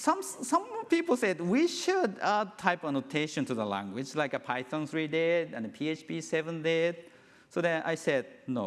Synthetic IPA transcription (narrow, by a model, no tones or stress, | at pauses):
sʌ̃msʌ̃mpipl̩ˠsɛd̚wiʃʊdʌtʰaɪpənotʰeɪʃə̃ntʰuðəlæ̰̃ŋɡwɪd͡ʒlaɪkəpʰaɪtʰɔ̃nsɹidetɨ̃nəpʰiet͡ʃbisɛvə̃ndet̚ | soðɛna̰ɪsɛd̚no